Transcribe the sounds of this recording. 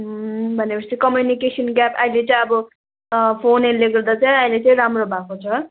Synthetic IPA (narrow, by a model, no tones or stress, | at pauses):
ɦbʱʌnepʌst̪ikʌmjunikesʌnɡjapʌjlet͡sʌ̃ʌbʌ | pʰonenleɡʌrd̪at͡sʌjʌjlet͡sʌĩɾamrobʱakot͡sʰʌ